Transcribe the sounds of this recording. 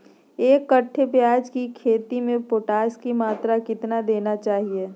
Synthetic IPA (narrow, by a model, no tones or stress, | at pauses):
eːkːɐʈʰːepjaːd͡ʒkikʰeːt̪imẽpoːʈaːskimaːt̪ɾakɪt̪nad̪eːnat͡ʃaːɦie